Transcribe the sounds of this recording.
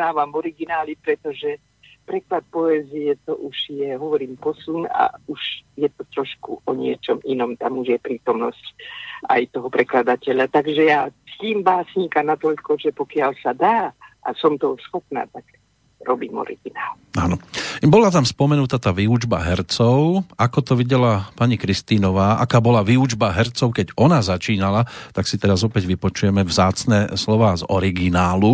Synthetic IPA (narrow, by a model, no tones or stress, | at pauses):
aːʋamvɔɾiɡinaːlipɾɛt̪ɔʒɛ | pɾɛklat̪̚pɔɛːzijɛt̪ɔʔuʒ̥jɛɦɔʋɔɾiːmpɔsuna̰uʒjɛt̪ɔt̪ɾɔʃkuʔɔɲɪɛt͡ʃɔminɔmt̪amuʒjɛpɾiːt̪ɔmnɔsca̰jt̪ɔɦɔpɾɛklad̪acɛʎat̪aɡʒɛjaciːmbaːsɲikanat̪ɔʎkɔʒɛpɔkɪalsad̪aːʔa̰sɔmt̪ɔsxɔpna̰ːt̪ak | ɾɔbiːmɔ̰ɾḭɡinaːl | aːnɔbɔlat̪amspɔmɛnut̪at̪aːʋiud͡ʒba̰ɦɛɾt͡sɔʊakɔt̪ɔʋiɟɛlapaɲikɾist̪iːnɔʋaːʔakaːbɔlaʋiud͡ʒbaɦɛɾt͡sɔʊkɛɟɔnazat͡ʃiːnalat̪aksit̪ɛɾazɔpɛɟʋipɔt͡ʃujɛmɛvzaːt͡snɛslɔʋaːzɔ̰ɾiɡinaːlu